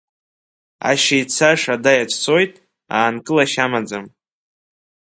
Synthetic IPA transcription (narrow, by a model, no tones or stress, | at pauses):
a̰ʃejt͡sʰaʂadajat͡ʃʷʰʼt͡sʰo̞jtʼ | aːnkʼɨlaʃamad͡zam